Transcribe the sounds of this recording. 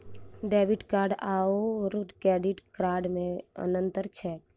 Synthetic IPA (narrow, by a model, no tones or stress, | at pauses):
ɖɛːʋiʈkaːɾɖaːoɾkɛːɖiʈkɾaːɾɖmẽə̰nənt̪əɾt͡ʃʰɛːk